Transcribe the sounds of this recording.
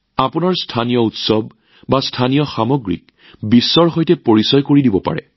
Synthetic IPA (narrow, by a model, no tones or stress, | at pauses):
apunaɹstʰanijɔutsɔb | bastʰanijɔxamoɡɹḭk̚ | bisːɔɹɦojtɛpoɹisɔjkoɹidibɔpa̰ɹɛ̰